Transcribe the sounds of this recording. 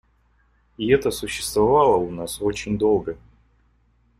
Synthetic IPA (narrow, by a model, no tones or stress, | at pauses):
ɪɛt̪əsʊɕːɪ̥st̪vɐvalˠəʊnasot͡ɕɪnʲd̪o̞lˠɡə